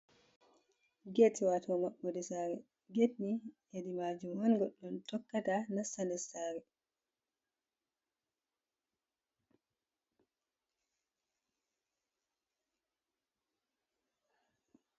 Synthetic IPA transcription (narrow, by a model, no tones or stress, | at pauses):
ɡetiwatwɔmaɓːɔdɛsaɾɛ | ɡetnijedimaːd͡ʒumwanɡɔɗːɔntɔkːatanasandɛsaːɾɛ